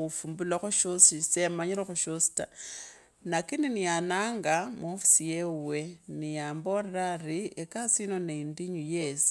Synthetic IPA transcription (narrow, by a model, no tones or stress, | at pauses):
ufumbulaxoʃosisemaɲiɾexoʃosi̥ta | nakininijanaːŋɡamofi̥sijewe̞nijaːmbo̞reɾariekasinoneindiɲujesi̥